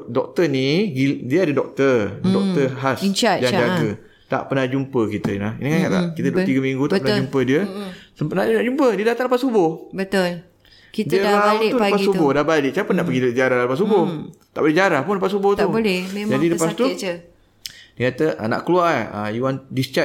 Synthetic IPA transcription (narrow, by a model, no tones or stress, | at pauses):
dɔk̚t̪əniɡidiəadədɔk̚t̪ədɔk̚t̪əɦasd͡ʒaŋd͡ʒaɡə | t̪a̰ʔpənahd͡ʒumpəkit̪əilahiniŋaɲaʔla̰kit̪ədt̪iɡəmĩŋɡut̪apənad͡ʒumpədiəsəmpanaʔdnaʔd͡ʒumpədiədat̪aŋləpasubʊhbət̪ol | kidiəmaauulpasubʊhdabalɪʔt͡ʃaapənaʔpəɡid͡ʒaɾahaləpasubʊht̪aʔbolɛhd͡ʒaɾahpʊnləpasubʊht̪blɛed͡ʒadiləpasst̪u | diəkat̪əʔna̰ʔkəluaə̰juwandist͡ʃa